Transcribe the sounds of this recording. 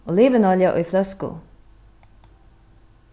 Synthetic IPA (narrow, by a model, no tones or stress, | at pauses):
oːliːʋənɑljɑʔo̰ːiːflœskṵ